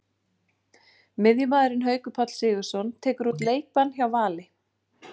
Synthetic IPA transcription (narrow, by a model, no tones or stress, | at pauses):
mɪðjʏmaːðɪɾɪnɦœːɥkʏpʰat̪l̥sɪːɣʏ̥sɔnt̪ʰɛːkʏɾut̪leːjk̚pançawvaːlɪ